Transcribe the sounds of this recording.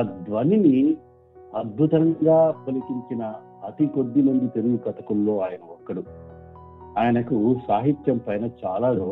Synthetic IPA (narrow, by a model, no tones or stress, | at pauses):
d̪ʋɐnini | ɐd̪̚bʱut̪ɐŋɡaːpɐlikiɲt͡ʃinɐː | t̪iko̞d̪ːimɐnd̪it̪e̞luɡukɐt̪ɐkulːo̞ːaːjɐnɐɔkːɐɽu | aːjɐnɐkusaːɦit̪jɐmpɐjnɐt͡ʃaːlaːɔ